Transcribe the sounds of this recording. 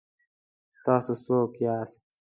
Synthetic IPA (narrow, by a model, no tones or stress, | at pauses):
t̪aːsusoːkjaːst̪̚